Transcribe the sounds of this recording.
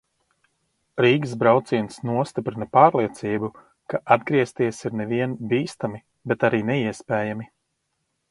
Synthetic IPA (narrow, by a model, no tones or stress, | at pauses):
ɾiːɡzbɾawt̪siɛnsnuɔst̪ipɾinapaːɾlˠiɛt̪siːbu | kaʔad̪̚ɡɾiɛst̪iɛsiɾnɛviɛnbiːst̪ami | bɛt̪aɾiːnɛiɛspɛːjami